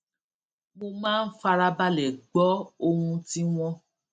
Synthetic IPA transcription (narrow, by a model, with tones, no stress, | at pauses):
mo˧mãː˦˨n̩˦fa˧ɾa˧ba˦lɛ˨ɡ͡bɔ˨˦o˧hũ˧ti˦w̃ɔ̃˦